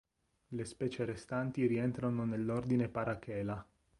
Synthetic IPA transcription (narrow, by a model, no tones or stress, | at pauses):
lespɛːt͡ʃeɾest̪ant̪iɾiɛnt̪ɾanonelːord̪inepaɾakɛːla